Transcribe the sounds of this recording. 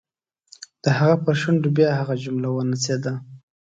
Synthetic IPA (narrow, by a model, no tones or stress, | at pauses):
d̪̥əhaɣapəɾʃuɳɖubjɑɦaɣad͡ʒʊmlawənased̪a